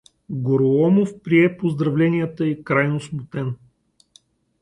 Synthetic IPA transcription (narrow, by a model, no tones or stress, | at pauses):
ɡoɾoɔmofpɾiɛpozd̪ɾɐvlɛnijɛt̪əikɾajnosmʊt̪ɛn